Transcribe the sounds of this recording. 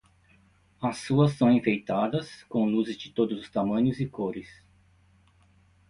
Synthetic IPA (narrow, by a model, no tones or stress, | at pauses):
ɐsuɐsːɐ̃w̃ĩfejt̪ad̪ɐskõw̃luzɪzd͡ʒɪt̪od̪ʊzʊst̪amɐ̃ɲʊzɪkoɾɪs